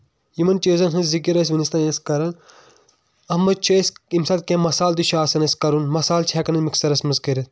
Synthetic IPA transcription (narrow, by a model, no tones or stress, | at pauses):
jimɐnt͡ʃeːzɐnɦɐzzikiɾɐs̬ʋɐnist̪ɐnẽskɐɾɐn | ɐɦmɐd̪̚t͡ʃʰoisimsɐːt̪̚kʲẽːmɐsaːld̪uʃaːsɐnɐskɐɾunmɐsaːlt͡ʃʰɛːkɐnɐnmiksɐɾɐsmɐzkɐɾʲɐt̪